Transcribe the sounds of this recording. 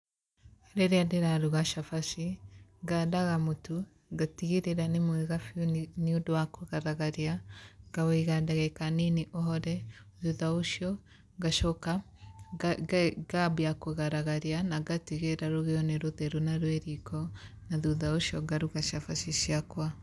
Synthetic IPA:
ɾeɾiadeɾaɾuɣaʃafaʃiɡadaɣamotu | ɡatiɣiɾeɾanemweɣafiuniodwakoɣaɾaɣaɾiaɡaweɣadaɣɛkaniniʔɔɦɔɾɛ | ðuðauʃjɔ | ɡaʃɔka | ɡabiakoɣaɾaɣaɾianaɡatiɣeɾaɾoɣeɔneɾoðɛɾunaɾweɾikɔ | naðuðauʃjɔɡaɾuɣaʃafaʃiʃiakwa

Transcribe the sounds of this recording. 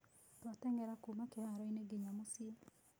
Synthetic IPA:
twatɛŋɡɛɾakumakehaɾɔineɡeɲamosie

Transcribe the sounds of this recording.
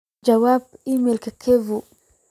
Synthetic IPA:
d͡ʒawab̚imelkəkʰevu

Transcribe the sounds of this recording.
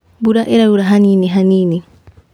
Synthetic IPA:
buɾaʔeɾauɾaɦaniːniɦaniːni

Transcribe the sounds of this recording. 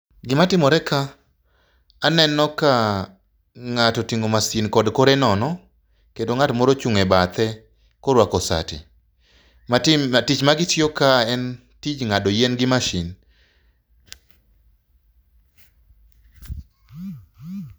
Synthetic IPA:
ɡɪmatɪmɔɾɛka | nɛnɔka | ŋatɔtiŋomasinkɔdkoɾɛnɔnɔ | kendoŋatmɔɾot͡ʃuŋɛbat̪ɛ | koɾwakɔsa̰tɪ̰ | atit͡ʃmaɡɪtjokaɛn | tit͡ʃŋadɔjɛnɡɪmaʃin

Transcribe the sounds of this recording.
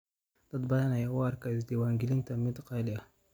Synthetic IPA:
d̥̪ad̪bajanajawaɾkazd̪iwaŋɡilint̪amid̪qalija

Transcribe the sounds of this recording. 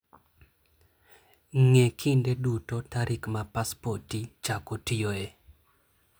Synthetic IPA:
ŋekʰindedutotaɾʔɪkmapaspotit͡ʃakotijoe

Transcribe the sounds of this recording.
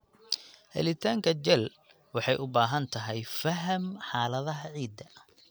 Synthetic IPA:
hɛ̰lɪt̪ʰaːŋkʰɐt͡ʃɛl | wɑħɑjʔʊbaːɦɐnt̪ʰɐɦɛjfɐɦɐmħɑːlɐðɐɦʕiːd̪ɐ

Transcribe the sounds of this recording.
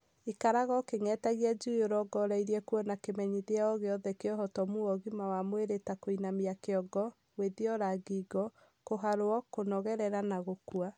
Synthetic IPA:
ikaɾaɣɔkeŋɛtaɣiɛd͡ʒujoɾɔɡɔɾaiɾiɛkuɔnakemɛɲiðeaɔɣeɔðɛkeɔɦɔtɔmuɔɣimawamweɾetakoinamiakeɔɡɔ | weðiɔɾaɡiɡɔ | koɦaɾoɔkonɔɣɛɾɛɾanaɣokua

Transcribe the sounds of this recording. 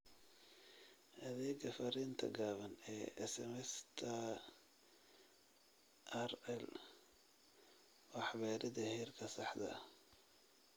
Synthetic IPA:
ʔɐðɛːɡɐfɐɾiːnt̪ʰɐ̰ɡaːβɐnɛːʔɛsɛmɛst̪ʰɐ | ʔɐrɛl | wɑħβɛːɾɪd̪ɐhiːrkʰɐsɑħd̪ɐ̰

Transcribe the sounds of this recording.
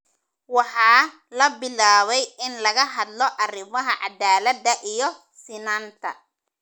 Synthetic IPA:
wɑħɑː | lɐbɪlaːβɛjɪnlɐɣɐɦɐd̪lɔʔɐrɪmɐɦɐʕɑd̪aːlɐd̪ɐʔijɔ | sɪnaːnt̪ʰɐ̰

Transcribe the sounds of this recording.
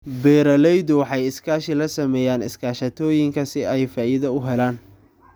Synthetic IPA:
bɛːɾɐlɛjdʊwɑħɑjɪskʰaːʃɪlɐsɐmɛːjaːnɪ̰skʰaːʃɐt̪ʰɔːjɪŋkʰɐsɪɛjfaːʔɪðɐʊɦɛlaːn

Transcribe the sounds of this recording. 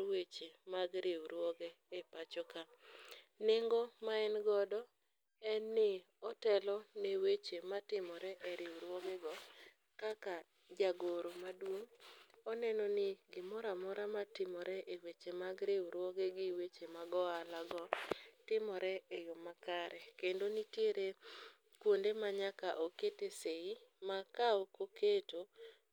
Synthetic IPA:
wet͡ʃemaɡɾewɾwɔɡeːpat͡ʃɔka | nɪŋɡɔmaɛnɡɔdɔ | ɛnːɪ | ɔtɛlɔnewet͡ʃematɪmɔɾɛʔeɾɪwɾwoɡeɡɔ | kaka | d͡ʒaɡoɾomadwoŋɔnɛnɔnɪɡɪmɔɾamɔɾamatɪmɔɾɛʔewet͡ʃemaɡɾewɾwɔɡeɡɪwet͡ʃemaɡɔalaɡɔtɪmɔɾɛejomakaɾɛkendonitjeɾe | kwondemaɲakaʔoketeseimakawɔkoketo

